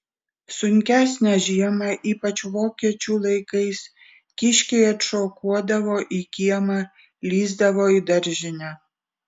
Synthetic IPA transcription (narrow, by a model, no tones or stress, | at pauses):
sʊŋʲkʲæːsʲnʲæʒʲiɛmɑʔiːpɐt͡ʃʋoːkʲiɛt͡ʃʲuːlˠɐɪkɐɪs | kʲɪʃʲkʲɛɪɐt̪ʃoːkuɔd̪ɐʋoːʔiːkʲiɛmɑ | lʲiːzd̪ɐʋoːiːd̪ɐɾʲˑʒʲɪnʲæː